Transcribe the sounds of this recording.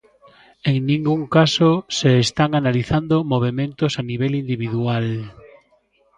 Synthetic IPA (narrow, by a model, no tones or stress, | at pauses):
eŋnĩŋɡuŋkasoseːst̪aŋanaliθand̪omoβ̞emẽnt̪osaniβelind̪iβ̞iðual